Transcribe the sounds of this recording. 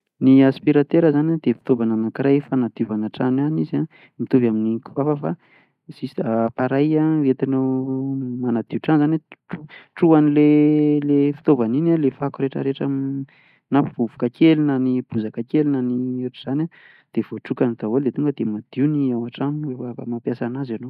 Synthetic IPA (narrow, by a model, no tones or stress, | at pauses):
niaspiɾat̪eɾəzanad̪̥efi̥t̪ovananakɾajfanad̪̥iuvanaʈ͡ʂananiza | mit̪uvaminikuvafəfa | z̥isapaɾajaet̪ino | manad̪̥iuʈ͡ʂanzaneʈ͡ʂuʈ͡ʂuanilelefi̥t̪ovaninalefakuɾeʈ͡ʂə̰ɾeʈ͡ʂam | napvuvu̥kakelinanib̥uzakakelinanieʈ͡ʂiz̥anʲa | d̪̥ev̥oʈ͡ʂukanit̪awold̪et̪uŋɡəd̪̥emad̪̥iuniawaʈ͡ʂanwefafamapjasanazano